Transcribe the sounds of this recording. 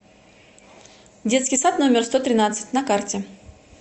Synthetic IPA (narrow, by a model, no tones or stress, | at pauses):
dʲe̞t̪skʲɪjsat̪no̞mʲɪrst̪o̞t̪ɾʲɪnat̪sɨ̥t̚ʲnɐkartʲɪ